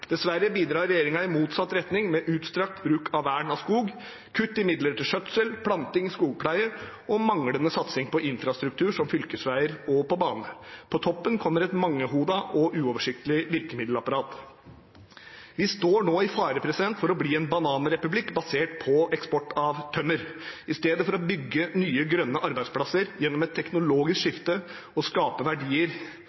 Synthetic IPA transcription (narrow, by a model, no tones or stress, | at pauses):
d̪̥ɛsʋæɾːəbiːd̪ɾɑːɾːɛjeːɾɪŋɑɪmuːt̪sɑt̪ːɾɛt̪nɪŋmɛʔʉːt̪st̪ɾɑk̚t̪bɾʉːkʰɑʋːæːɳɑskuːɡ | kʰʉt̪ːɪmɪd̪ləʈɪlʂœt̪səlpʰlɑnt̪ɪŋskuːɡ̚pʰlæɪə | ɔmɑŋlənəsɑt̪sɪŋpʰɔʔɪnfɾɑst̪ɾʉk̚t̪ʰʉːʂɔmfʏlkəsʋæɪəɾɔpɔbɑːnəpʰɔt̪ʰɔpːənkʰɔmːəɾɛt̪mɑŋːəɦuːd̪ɑʔɔʔʉːɔʋəʂɪk̚t̪əlɪʋɪɾkəmɪd̪lɑpɑɾɑːt̪ | ʋɪst̪oːɳoːɪfɑːɾəpʰɾɛsɪd̪ɛnt̪fɔɾɔbliːɛnbɑnɑːnəɾɛpʉblɪkːbɑseːʈpʰɔɛkspɔʈːɑʋt̪ʰœmːəɾɪst̪eːd̪əfɔɾɔbʏɡːənyːəɡɾœnːəʔɑɾbæɪd̪spʰlɑsəɾjɛnːɔmɛt̪ʰːɛknʊloːɡɪskʂɪft̪ə | ɔskɑːpəʋæɖiːəɾ